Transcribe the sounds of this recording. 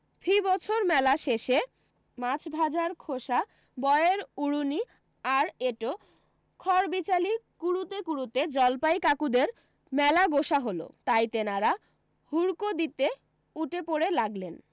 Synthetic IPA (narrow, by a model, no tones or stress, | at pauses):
fʰibɔt͡ɕʰoɾmɛlaʃeʃe | mat͡ɕbʱad͡ʑaɾkʰoʃa | bɔeeɾuɽuni | aɾeʈo | kʰɔɾbit͡ɕalikuɾut̪ekuɾut̪ed͡ʑɔlpajkakud̪eɾ | mɛlaɡoʃaɦolo̰t̪ajt̪enaɾa | huɾkod̪it̪e | uʈepoɽelaɡlen